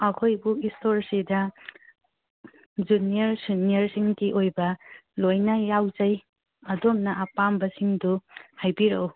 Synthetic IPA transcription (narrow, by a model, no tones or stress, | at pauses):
ɐkʰojbuistʰoɾsidɐ | d͡ʒuniɐɾsuniɐɾsiŋdiʔojbɐlojnajawd͡ʒaj | ɐdomnɐʔapambɐsiŋduhajbiɾew